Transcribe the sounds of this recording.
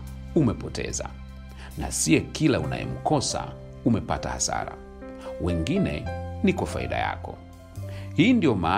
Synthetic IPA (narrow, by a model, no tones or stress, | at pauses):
umɛpɔtʰɛ̰za | nasiɛkilauna̰jɛ̰m̩kɔsa | umɛpatahasa̰ɾa | wɛŋɡinɛ̰nikwafaḭɗaja̰kɔ | hiːndiɔmaː